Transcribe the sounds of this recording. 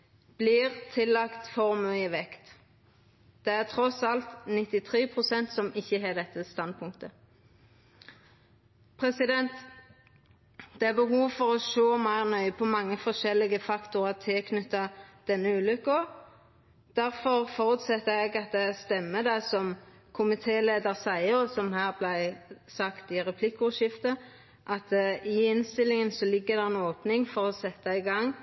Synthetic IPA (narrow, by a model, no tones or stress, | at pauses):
b̥lɪːʁt̪ʰɪlːɑkt̪fɔʁmœʏəʋɛkt̪ | d̪̥ɛæʁt̪ʰʁɔsɑlt̪nɪt̪ɪt̪ʰʁeːpʰʁʊsɛnt̪sɔmɪçːəɦɑːd̪ɛt̪ːəst̪ɑnd̪̚pʰʊŋkt̪ə | pʰʁɛsɪd̪ɛnt̪ | d̪ɛæːbəɦuːʋfɔʁoːʃoːmæɪʁnœʏəpʰɔmɑŋːəfɔʃɛlɪɡəfɑkt̪ʊʁɑt̪ʰɪlkʰnʉt̪ːɑd̪̥ɛnːəʉːlʏkːɔ | d̪̥æʁfɔʁfɔʁʉt̪sɛt̪ːəɛɡɑt̪̚d̪ɛst̪ɛmːəd̪æɪsɔm | kʰʊmɪt̪ʰeːleːd̪əʁsæɪəsɔmhæːʁblæɪsɑkt̪ɪʁɛpʰlɪkːʊʃɪft̪ə | ʔɑt̪ɪɪnst̪ɪlɪŋənsɔlɪɡːəʁd̪ɛɛnoːpnɪŋfɔʁɔsɛt̪ːɑɪɡɑŋː